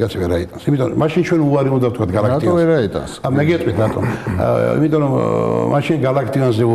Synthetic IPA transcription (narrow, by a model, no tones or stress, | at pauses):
kʼat̪sʰivɛɾait̪ʼansimit̪ʼɔɾɔmaʃint͡ʃʰwɛnuaɾiũnd̪aft̪ʰkʰat̪̚ʰɡalakt̪iɔvɛɾait̪ʼa̰nsamɛɡɛt̪ʼwit̪ʰɾat̪ʼɔ̰nḭmit̪ʼɔɾɔmma̰ʃinɡalakʰt̪ʼiɔnzɛu